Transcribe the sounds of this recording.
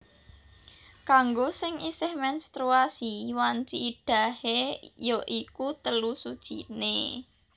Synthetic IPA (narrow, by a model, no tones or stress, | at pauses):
kaŋɡosɪŋisɪhmɛnst̪ɾuasiwant͡ʃiːɖ̥a̤hejɔʔikut̪əlusud̥ʒ̥ḭne